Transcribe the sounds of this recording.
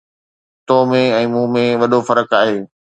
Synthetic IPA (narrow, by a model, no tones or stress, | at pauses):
t̪oːmẽɛ̃ːmũːmẽʋɐɗofɐɾəkaːɦeː